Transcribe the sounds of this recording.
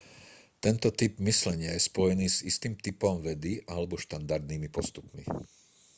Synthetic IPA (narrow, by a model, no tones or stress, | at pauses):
t̪ɛnt̪ɔt̪ibmislɛɲɪajɛspɔjɛniːzist̪iːmt̪ipɔmʋɛd̪iʔalɛbɔʃt̪and̪aɾd̪niːmipɔst̪upmḭ